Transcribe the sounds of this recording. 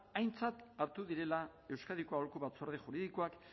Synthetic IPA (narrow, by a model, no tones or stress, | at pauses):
ajnt͡sat̪aɾt̪uðiɾe̞la | e̞wskaðikoaolkuβat͡soɾð̞exuɾiðikoak